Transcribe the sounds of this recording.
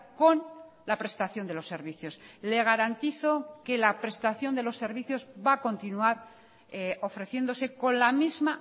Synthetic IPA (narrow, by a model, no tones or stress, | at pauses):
ko̞n | lapɾe̞st̪aθjo̞nd̪e̞lo̞sːe̞ɾβiθjo̞sle̞ɣ̞aɾant̪iθo̞ke̞lapɾe̞st̪aθjo̞nd̪e̞lo̞sːe̞ɾβiθjo̞zbako̞nt̪inuaɾ | eo̞fɾe̞θje̞nd̪o̞se̞ko̞nlamizma